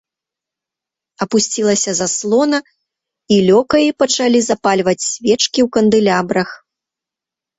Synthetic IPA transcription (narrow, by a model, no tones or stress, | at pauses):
ɐpusʲt͡sʲilˠɐsʲɐzaslˠɔnɐ | ilʲɔkɐipɐt͡ʂalʲizapalʲvɐt͡sʲsʲvʲɛt͡ʂkʲiwkɐnd̪ɨlʲabɾɐx